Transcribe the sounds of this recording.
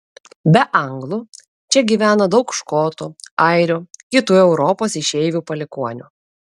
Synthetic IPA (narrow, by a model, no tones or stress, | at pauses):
bʲɛʔɐŋɡlˠu | t͡ʃʲɛɡʲiːʋʲæːnɐd̪ɒʊkʃkoːt̪uɐɪɾʲuːkʲɪt̪uːɛʊɾɔpoːsɪʃʲɛɪʋʲupɐlʲɪkuɔnʲṵ